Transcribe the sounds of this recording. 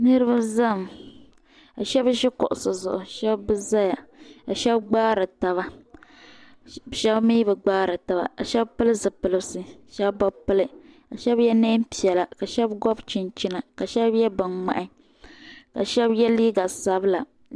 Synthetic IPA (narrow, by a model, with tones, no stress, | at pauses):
nɨ˦ɾɨ˦ba˦za˦˨m | a˨ʃɛ˦bʃɪ˦kʊ̰˨ʔʊ˨sɨ˨zʊ˨ʔʊ˨ʃɛ˦bbɨ˦za˦ja˨a˨ʃɛ˦bɡ͡baː˦ɾɨ˨ta˨βa˦˨ | ʃɛ˦bmi˦bɨ˨ɡ͡baː˦ɾɨ˨ta˨βa̰˨a˨ʃɛ˦bpɨ˦lɨ˦zɨ˨pɨ˨lɨ˨bsɨ˦ʃɛ˦bba˦pɨ˦lɨ˦ | a˨ʃɛ˦bjɛ˦neː˦mpi˨ɛ˨la˨ka˨ʃɛ˦bɡɔ˦bt͡ʃɪ˨nt͡ʃi˦na˨ka˨ʃɛ˦bjɛ˦bɨ˨ŋma̰˨ʔɪ˦ | ka˨ʃɛ˦bjɛ˦liː˦ɡa˨sa˦bɨ˦la˨